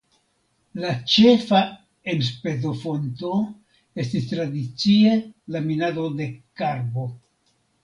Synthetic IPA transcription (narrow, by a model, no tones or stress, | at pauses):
lat͡ʃe̞fa | ens̬pe̞zo̞fo̞nto̞ | e̞stistɾadit͡sie̞laminado̞de̞kaɾbo̞